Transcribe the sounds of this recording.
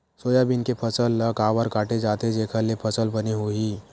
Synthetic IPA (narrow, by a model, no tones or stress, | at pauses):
soːjabɪnkepʰəsəlːəkaːbəɾkaːʈed͡ʒaːt̪ed͡ʒekʰəlepʰəsəlbɐneɦoi